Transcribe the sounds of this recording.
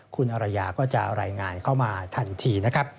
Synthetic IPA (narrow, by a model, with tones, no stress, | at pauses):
kʰu˧nʔa˧ɾa˧jaː˧kɔː˥˩t͡ɕa̰˨˩ʔɾaː˧jŋaː˧nkʰa˦˥˩wmaː˧t̪ʰa˧nt̪ʰiː˧na˦˥kʰɾa˦˥p̚